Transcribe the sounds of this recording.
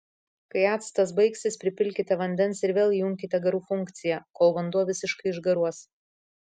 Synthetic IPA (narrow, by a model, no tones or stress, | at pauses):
kɐɪæːt̪st̪ɐs̬bɐɪksʲɪspʲɾʲɪpʲɪlʲkʲɪt̪ʲɛʋɐnʲd̪ʲɛnsɪɾʋʲeːlˠjʊŋʲkʲɪt̪ʲɛɡɐɾuːfʊŋʲkt̪sʲɪjɛkoːlˠʋɐnd̪uɔʋʲɪsʲɪʃkɐɪɪʒɡɐɾuɔs